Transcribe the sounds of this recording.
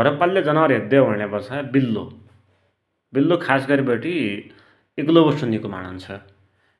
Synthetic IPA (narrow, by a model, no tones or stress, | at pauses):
ʌɾʌpaljod͡zʌnaɾɦed̪eɦʌnebʌsabilːo̰ | bilːokʰasɡʌɾibʌʈi | eklobʌsunikoma̰nʌnt͡sʰʌ